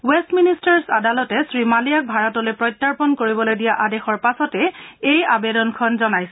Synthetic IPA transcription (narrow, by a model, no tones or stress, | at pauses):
wɛstministaɹsadalɔtɛsɹimalijak̚bʱaɹɔtɔlojpɹɔjtːaɹpɔnkoɹibɔlojdijaʔadexɔɹpasɔtɛejabedɔnkʰɔnzɔnajsɛ